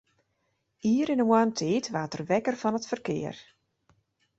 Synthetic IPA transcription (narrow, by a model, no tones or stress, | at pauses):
iːəɾɪnəmwantʰeːtʋaːtərʋɛkərfɔnətfərkɪ̰ːər